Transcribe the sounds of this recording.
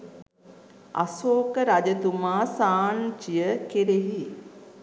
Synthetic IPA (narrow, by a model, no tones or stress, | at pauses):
a̰soːkəɾad͡ʒət̪umaːsaːnt͡ʃijəkeɾeɦi